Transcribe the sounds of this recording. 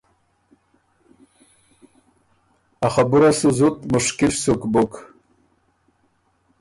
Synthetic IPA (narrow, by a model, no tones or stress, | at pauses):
aχabɨɾasɨzutʼmɨʂkʲɪʃsukʼbɨkʼ